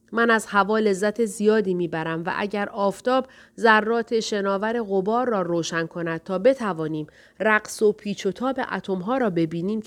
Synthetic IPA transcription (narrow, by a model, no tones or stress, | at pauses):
mænæzhævɒːle̞zːæt̪ʰe̞zijɒːd̪iːmiːbæɾæmvæ̰ʔæ̰ɟæɾɒːft̪ɒːb̚ | zærːɒːt̪ʰe̞ʃe̞nɒːvæɾe̞ɣo̞bɒːɾːɒːroːʃænkʰo̞næd̪̥̚t̪ʰɒːbe̞t̪ʰævɒːniːm | ræɢso̞pʰiːt͡ʃʰot̪ʰɒːbe̞̰ʔæ̰t̪ʰo̞mɦɒːɾɒːbe̞biːniːm